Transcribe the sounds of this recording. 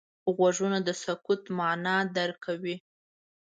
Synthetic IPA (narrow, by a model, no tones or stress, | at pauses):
ɣwaʐunad̪əsakut̪mɑnɑd̪aɾkʰawi